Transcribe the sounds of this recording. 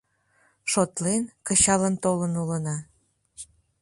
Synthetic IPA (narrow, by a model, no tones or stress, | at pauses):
ʃot̪lenkəɕɑlənt̪olənulənɑ